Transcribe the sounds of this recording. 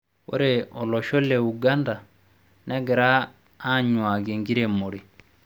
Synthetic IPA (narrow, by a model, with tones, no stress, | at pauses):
wo̰˦ɾeɔ˨lɔ˨ʃo˦le˨u˨ɡa˦nda˨ | nɛ˦ɡɛ˨ɾaː˦ | ɲwa˨ɡe˨ŋɡi˦ɾe˨mo˨ɾi˨